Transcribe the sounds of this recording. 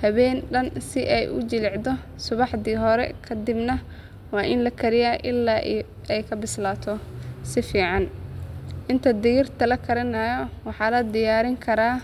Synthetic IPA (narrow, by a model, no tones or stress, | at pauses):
hɐβɛːnɖɐnsɪʔɛjʔʊ̰d͡ʒɪlɛʕd̪ɔ | sʊβɑħd̪iːɦɔɾɛ̰kʰɐd̪ɪbnɐ | wɑːʔɪnlɐkʰɐɾɪjaːʔɪlːaːʔ | ɛjkʰɐbɪslaːt̪ʰɔsɪfiːʕɑn | ʔɪnt̪ʰɐd̪ɪjɪrt̪ʰɐlɐkʰɐɾɐnaːjɔwɑħɑːlɐd̪ɪjaːɾɪŋkʰɐɾaː